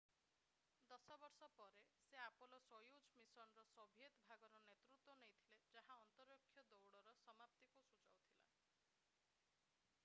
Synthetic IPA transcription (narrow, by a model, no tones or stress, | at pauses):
d̪ɔsɔbɔɾsɔpɔɾeseapolɔsɔjud͡ʒʱmisɔnɔɾɔsɔbʱiet̪bʱaɡɔɾɔnet̪ɾut̪wɔnejt̪ʰiled͡ʒaɦaɔnt̪ɔɾjɔkʰːjɔd̪ɔwɽɔɾɔsɔmapt̪ikusud͡ʒa̰wt̪ʰila̰